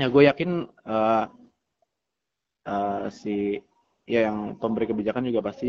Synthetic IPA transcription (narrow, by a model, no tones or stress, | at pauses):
jaɡuajakɪnə | əsi | jajaŋpəmbəɾikəbid͡ʒakand͡ʒuɡapast̪i